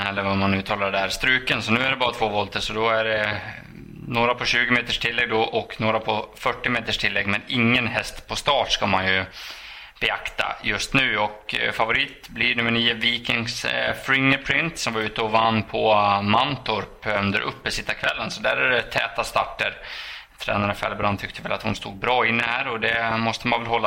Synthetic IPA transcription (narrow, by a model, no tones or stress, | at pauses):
ɛlːəɾvamanːʉ̟ːt̪ʰɑːlaɖɛæːɾst̪ɾʉ̟ːkənsɔnʉ̟ːæɖɛbɑːɾat̪ʰvoːvɔlt̪əsɔd̪ɔæɖɛ | noːɾapʰɔɕʉ̟ːɡɪmeːt̪əʂʈʰɪlːɛɡd̪ɔʔɔknoːɾapʰɔfœʈːɪmeːt̪əʂʈʰɪlːɛ̰ɡmɛnɪŋːənɦɛst̪pʰɔst̪ɑːʈʂkamanjɵ | b̥ɛakt̪a̰jɵst̪nʉ̟ːɔkfavʊɾiːt̪blɪɳʉ̟mːəɳiːʊviːkɪŋsfɾɪŋːəɾpʰɾɪnt̪sɔmvaɾʉ̟ːt̪əɔvanːpʰɔmant̪ʊɾpɵnd̪əɾʔɵ̰pːəsɪst̪ːakʰvɛlːənsɔd̪æɾɛɾɛt̪ʰɛːt̪ast̪a̰ʈːəɾt̪ʰɾɛ̰ːnaɾəfɛ̰ːlbɾant̪ʰʏk̚t̪ʰəvɛla̰t̪hʊnst̪uːd̪̚bɾɑːɪnːəhæːɾɔd̪ɛmɔst̪əmanvɛlɦɔlːa